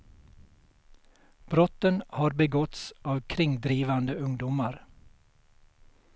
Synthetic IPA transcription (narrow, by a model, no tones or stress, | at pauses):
b̥ɾɔt̪ənhɑːɾbəɡɔt̪sɑːʋkʰɾɪŋd̪ɾiːʋɑnd̪əʉŋd̪ʊmɑɾ